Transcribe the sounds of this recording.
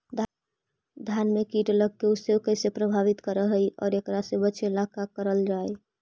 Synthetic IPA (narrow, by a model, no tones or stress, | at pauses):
d̪ʱ | d̪ʱjanmekiʈləɡ̚keusekəjsepɾəbʱaβit̪kəɾəɦəjɔ̰ːɾekɾasebəːt͡ʃʰelakakəɾəld͡ʒaj